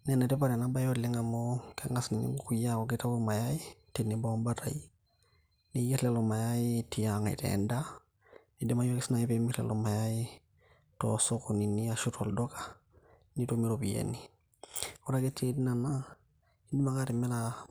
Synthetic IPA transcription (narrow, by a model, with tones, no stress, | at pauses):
nɛ˨nɛ˨te˦paɾɛ˨na˦ba˦jo˦le˦ŋɡa˨mokɛŋa˦sni˨nḭ˦ŋɡukuja˦ko˨keta˦koma˨jai˦tene˨bɔːmba˦ta̰˨i | ne˨jɛ˦ɾlɛ˨loma˨jai˦ti˨jaŋa˨ḭ˨tɛ̰nda | ne˨di˦ma˦jo˦kesina˨ipemi˦ɾlɛ̰lɔma˨jai˦ | tɔsoko˨ni˨ni˦a˨ʃutʰɔ˨ldɔ˦kḁ | ni˦tomi˦ɾobi˨jḛni˨ | ɔ˦ɾa˦ke˦tʰe˦ti˦na˨na | i˦di˦makaɾe˨mɛ˦la